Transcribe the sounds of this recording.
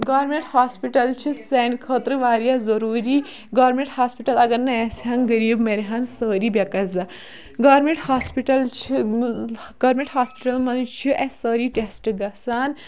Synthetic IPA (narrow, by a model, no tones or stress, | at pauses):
ɡaːɾmeɳʈhaːspiʈɐlt͡ʃʰisenkʰəːt̪ɾɨʋaːɾjazɐɾuːɾiː | ɡaːɾmẽɳʈhaːspiʈɐlɐɡɐɾnɐjesɦanɡɐɾiːbmɐɾɦansəːɾiːbʲɐkɐzɐ | ɡɐːɾmeɳʈhaːspiʈɐlt͡ʃʰi | ɡ̥ɐːɾmẽɳʈhaːspiʈɐlmɐnt͡ʃʰiʔesəːɾiːʈesʈɨɡɐsaːn